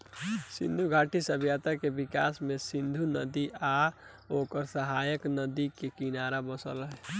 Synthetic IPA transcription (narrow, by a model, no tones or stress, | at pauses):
sḭ̃nd̪ʱuɡʱaːʈisəbʱjat̪akebika̰smẽsĩnd̪ʱunəd̪ia | oːkəɾsəɦajəknəd̪ikekinaɾabəsə̰lɦɛ